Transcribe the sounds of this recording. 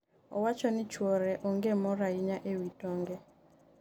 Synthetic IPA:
ɔ̰wat͡ʃɔnɪt͡ʃwɔɾɛʔɔŋɡemɔɾaiɲaʔewitɔŋɡɛ

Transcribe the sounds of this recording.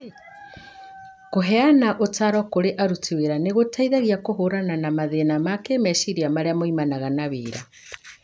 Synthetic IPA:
koɦɛanaʔotaɾɔkoɾeʔaɾutiweɾaneɣotʰaiðaɣiakoɦoɾananamaðenamakeːmɛʃiɾiamaɾeamoimanaɣanaβeːɾa

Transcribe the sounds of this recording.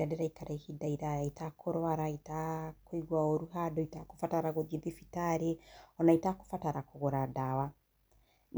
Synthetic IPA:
ɾadeɾaikaɾaihidaiɾajaitakoɾwaɾaitakoiɣwaoɾuɦadɔitako̥fataɾaɣoðieðifitaɾeɔnaitako̥fataɾakoɣoɾadawa | n

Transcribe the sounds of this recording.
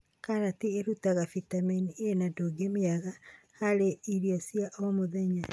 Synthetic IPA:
kaɾatieɾutaɣafitaminienadoɡemeaɣa | haɾeiɾiasiaʔomoðɛɲa

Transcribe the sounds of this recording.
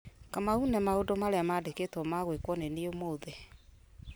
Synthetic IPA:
kamaunɛmaodomaɾeamaːdeketwɔmaɣwekwɔneneomoːðe

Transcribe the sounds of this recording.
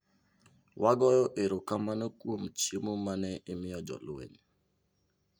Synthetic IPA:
wʔaɡɔjɔʔeɾokamanokwomt͡ʃemomanɛʔɪmɪɔd͡ʒɔ̰lʊḛn

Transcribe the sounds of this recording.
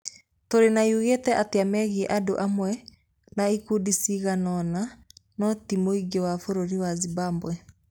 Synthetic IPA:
toɾenaiuɣetɛʔateamɛɣiɛʔado̰ʔamwɛ | naikudisiɣanɔnanɔtimoiɡewafoɾoɾiwazibambwɛ

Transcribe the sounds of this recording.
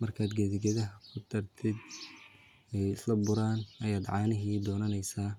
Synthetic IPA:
mɐrkʰaːd̪ɡɛðɪɡɐðɐɦɐkʰʊt̪ʰɐrt̪ʰɪd̪ | ɛjɪslɐbʊɾaːnɐjaːd̪ʕɑːnɪɦiːd̪ɔːnɐnɛjsaː

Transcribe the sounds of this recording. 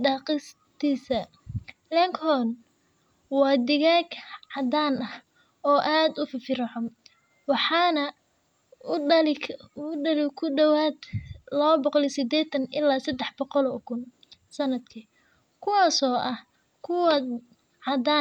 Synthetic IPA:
ɖɑːqɪs | t̪ʰiːsɐ | lɛŋkʰɔːn | wɑːd̪ɪɣaːɡʕɑd̪aːnɐh | ɔːʔaːd̪ʊfɪfɪɾɐʕʊm | wɑħɑːnɐ | lɪʊɖɐlɪkʰʊɖɐwaːd̪lɔːbɔqlɛsɪd̪ɛːt̪ʰɐnʔɪlːaːsɐd̪ɛħbɔqɔlɔːkʰʊn | sɐnɐd̪kʰi | kʰʊwɑːsɔːʔɐh | kʰʊwɐd̪ | ʕɑd̪aː

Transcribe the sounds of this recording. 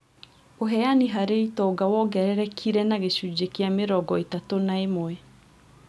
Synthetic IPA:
oɦɛaniɦaɾeitɔɡawɔɡɛɾɛɾɛkʰiɾɛnaɣeɕud͡ʑekeameɾɔɡɔetatonaemwɛ

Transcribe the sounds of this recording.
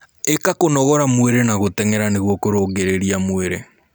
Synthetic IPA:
ekakonɔɣɔɾamweɾenaɣotɛŋeɾaneɣwɔkoɾoːŋɡeɾeɾiamweɾe

